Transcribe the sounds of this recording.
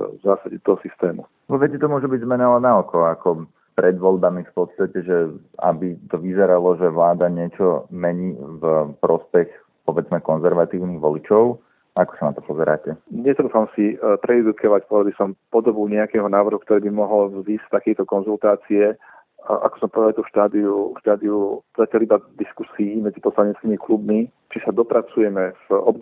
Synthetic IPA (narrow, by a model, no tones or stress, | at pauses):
vzaːsaɟɛt̪ɔɦɔsist̪ɛːmu | ʋɔʋɛcɛt̪ɔmʊɔʒɛbiɟzmɛnalɛnaɔkɔakɔ | pɾɛd̪ʋɔʎbamifpɔt̪st̪acɛʒɛ | a̰bit̪ɔʋizɛɾalɔʒɛʋlaːd̪aɲɪɛt͡ʃɔmɛɲiːvpɾɔspɛx | pɔʋɛd͡zmɛkɔnzɛɾʋat̪iːʊniɣʋɔlit͡ʃɔʊ | akɔ̥sanat̪ɔpɔzɛɾa̰ːcɛɲɛt̪ɾuːfamsipɾɛɛd̪ukʰɔʋacpɔʋɛd̪abisɔmpɔd̪ɔbuɲɛakɛɦɔnaːʋr̩ɦukt̪ɔɾɛːbimɔɦɔlvzɲiːst̪akɛjt̪ɔkɔnzult̪aːt͡siɛ | ʔa̰kɔ̥sɔmpɔʋɛd̪alt̪ufʃt̪aːd̪iufʃt̪aːd̪iuzacalibad̪iskusiːmɛd͡zipɔslaɲɛt͡skimiklubmi | t͡ʃisad̪ɔpɾat͡sujɛmɛvɔb